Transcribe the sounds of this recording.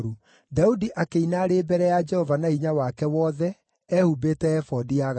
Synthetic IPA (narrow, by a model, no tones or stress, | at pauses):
ɾu | daudiʔakeinaɾeːbɛɾɛjad͡ʒɛhɔvanaiɲawakɛwɔðɛː | hubetɛɛfɔdiaɣ